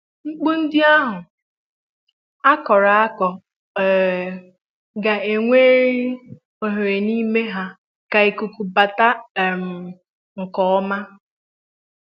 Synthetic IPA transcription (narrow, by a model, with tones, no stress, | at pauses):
ŋ͡m̩˦k͡pu˦n̩˦dɪ˦a˦ɦʊ˨ | a˦kɔ˨ɾa˨a˦kɔ˨ | ɡa˨e˨ŋʷeː˦ɾi˦ | o˨ɦe˨ɾe˨niː˦me˦ɦa˦ | ka˨e˨ku˨ku˨ba˨ta˦˨m̩˨ | ŋ̩˨kɔ˦ɔ˦ma˦